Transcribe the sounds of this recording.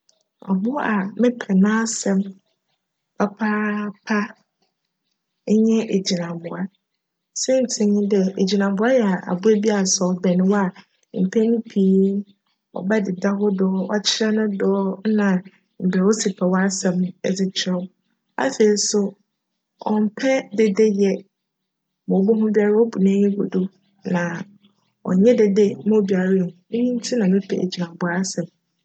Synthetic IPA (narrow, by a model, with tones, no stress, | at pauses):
ɔ̰˨bʊ˦a˨mɪ̃˦pʰɛ˨nãː˦sɛ̃˦m | pʰa˦pʰaː˦pʰa˦ | ɲɛ̃˦ʔe˨d͡ʑi˨nã˨bʊ̃˨a˦ | sɛ˦n̩˨tʰɪ̃˨ɲɪ̃˦dɛ˨e˨d͡ʑi˨nã˨bʊ˨˦a˦jɛ˨a˨ʔa̰˨bʊ˦e˦bi˦a˨sɔ˨bɛ˨nɪ̃˨wa˨ | m̩˨pʰɛ˦nʊ̃˦pʰi˦ | ɔ̰˨ba˦dɪ˨da˦ɡʊ˦dɔː˦ɔ˦t͡ɕʰɪ˦ɾɛ˦nʊ̃˦dɔː˦nã˨ | m̩˨bɛ˨wo˦sɪ˨pʰɛ˨wɔ˦a˦sɛ̃˨mɛ̰˨d͡zɪ˦t͡ɕʰɪ˦ɾɛ˦ | a̰˦fe˨i˨˦sʊ˦ | ɔ̃˨m̩˨pʰɛ˦de˨de˦jɛ˦ | mɔ̃˨bɔ˦ɦʊ̃˦bi˦a˨ɾɪ˦ɔ˦bu˨nãː˦ɲɛ̃˦ɡo̰˨dʊ˦ | nã˨ | ɔ̰˨ɲɛ̃˦de˨de˦mã˦˨bi˨a˨ɾɪ˦˨nũ˨ʊ̃˦mĩ˦n˦tʰi˦nã˨nʊ̃˦tʰɛ̰˨æ̰˨d͡ʑi˨a˨bʊ˦a˦sɛ̃˨m